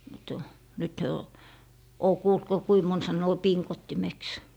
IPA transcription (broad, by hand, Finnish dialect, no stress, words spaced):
mut nyt hyø o oː kuːlt ko kui mon sɑnːoː piŋkotːimeks